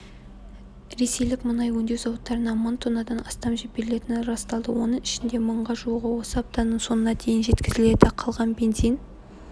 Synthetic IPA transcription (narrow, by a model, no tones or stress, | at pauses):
ɾe̞se̞jlɪkmənɑjwɵnd̪e̞wzɑwət̪ːɑɾənɑmənt̪ʰonɑd̪ɑnɑst̪ɑmʒebe̞ɾɪle̞t̪ɪnɪnɾɑst̪ɑlˠd̪əwo̞nəɴɪʃɪnd̪e̞məɴʁɑʒuəʁəwo̞səɑp̚t̪ɑnəɴso̞nənɑd̪ʰe̞jɪnʒe̞t̪kʲɪzɪle̞d̪ɪqʰɑlˠʁɑnbe̞nzijn